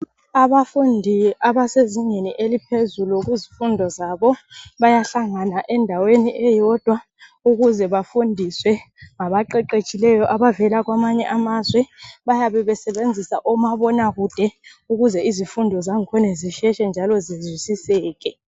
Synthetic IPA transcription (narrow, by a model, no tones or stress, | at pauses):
aɓafundʱiaɓaseziɲeniʔelipʰezuluk̬uzifundʱɔzaɓɔɓajaɬaŋanaʔɛndʱaweniʔɛjɔd̥ʱwa | uk̬uzɛɓafundʱiswɛ | ŋaɓaǃɛǃet͡ʃʼilɛjɔʔaɓavɛlak̬wamaɲɛʔamazwɛɓajaɓɛɓɛsɛɓend͡zʱisaʔɔmaɓɔnak̬ud̥ʱɛuk̬uzɛizifundʱɔzaŋkʰɔneziʃɛʃɛnd͡ʒʱalɔzizwisisɛːk̬ɛ